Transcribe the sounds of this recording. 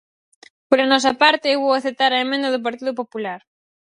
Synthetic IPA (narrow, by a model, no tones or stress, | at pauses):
poɾanɔs̬ɐpaɾt̪ɪewβowaθet̪aɾaemẽnd̪ɐðʊp̬aɾt̪iðʊpopulaɾ